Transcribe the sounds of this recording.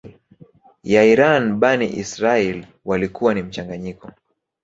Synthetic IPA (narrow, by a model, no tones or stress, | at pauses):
jaiɾanɓaniʔḭsɾaɛl | walikuwanim̩t͡ʃaŋɡaɲikɔ